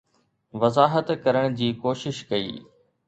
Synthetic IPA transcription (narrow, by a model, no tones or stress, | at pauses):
ʋɐzaːɦət̪kɐɾəɽ̃d͡ʑiːkoːʃɪʃkɐḭː